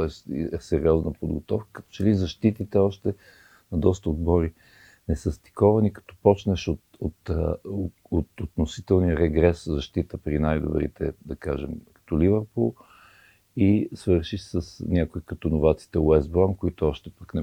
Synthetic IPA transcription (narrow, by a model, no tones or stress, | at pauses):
t̪ɔɛst̪ɛsɛɾiɔznəpod̪ɡot̪ɔfkə̥kət̪ɔ̥t͡ʃɛlizɐʃt̪it̪it̪ɛɔʃt̪ɛ | nɐd̪ɔst̪əod̪bɔɾi | nɛsəst̪i̥kɔvɐnikɐ̥t̪ɔ̥pɔt͡ʃnɛʃot̪ot̪ | ot̪ot̪nosit̪ɛlˠniəɾɛɡɾɛszɐʃt̪it̪əpɾinajd̪ʊ̰bɾḭt̪ɛd̪ɐkaʒɛ̰mkɐ̥t̪ɔlivəɾpulˠ | isvɤɾʃisəsnʲakʊikɐt̪ɔnʊvat̪si̥t̪ɛɛzbɾɔmkoit̪ʊɔʃt̪ɛpəknɛ